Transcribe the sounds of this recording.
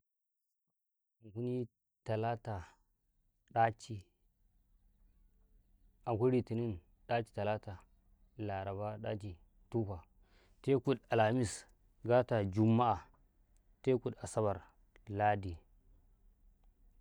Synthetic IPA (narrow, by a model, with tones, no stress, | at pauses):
a˨ŋku˦ni˦ | ta˨la˦ta˨ | ɗa˦t͡ʃi˦ | a˨ŋkʷu˦ɾi˨ti˨ni˦n | ɗa˦t͡ʃi̥˨ta˨la˦ta˨ | la˨ɾa˨βa˦ɗa˦t͡ʃi˨ | tu˦ɸa˨ | te˦ku˨ɗa˨la˨mi˦˨s | ɡa˦ta˨d͡ʒu˨mːa˦a˨ | te˦ku˨ɗa˨sa˦βa˨ɾ | la˦di˨